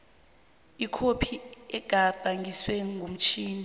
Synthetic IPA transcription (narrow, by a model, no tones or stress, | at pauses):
ikʰopʰiɛɡ̥ʱad̥ʱaŋɡiswɛŋʱum̩t͡ʃʰiːnʱ